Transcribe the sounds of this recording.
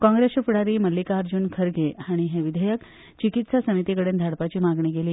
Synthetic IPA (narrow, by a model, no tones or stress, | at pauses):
kɔ̃ŋɡɾesəfuɽaɾiːməlːikaɾd͡ʑuːnkʰəɾɡeaɽ̃iɦeʋid̪ʱəjək | t͡ɕikit̪sasəmit̪ikəɽeːnd̪ʱaɽpat͡ɕiːmaɡɳiɡeli